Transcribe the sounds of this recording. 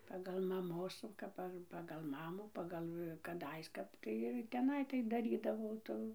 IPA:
ˈpɑːɡɐlˠ mɐˈmoːs jɛʊ ˈkɐp ɐr pɐɡɐlˠ ˈmɑːmuː ˈpɑːɡɐlˠ kɐˈdɐɪs ˈkɐp tɐɪ ɪr tʲɛˈnɐɪ tɐɪp dɐˈrʲiːdɐʋɐʊ ˈtuː

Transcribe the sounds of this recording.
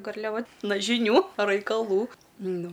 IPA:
ɡɐrʲlʲɛˈʋɐ ˈnɐ ʒʲɪˈnʲuː rɐɪkɐˈlˠuː ˈnʊ

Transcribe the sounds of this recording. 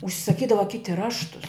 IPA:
ʊʃʲsʲɪsɐˈkʲiːdɐʋɐ ˈkʲɪtʲɪ ˈrɑːʃtʊs

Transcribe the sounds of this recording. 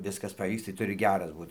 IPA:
ˈʋʲɪskɐs pɐˈʋʲiːks tɐɪ ˈtʊrʲɪ ˈɡʲæːrɐs ˈbuːt

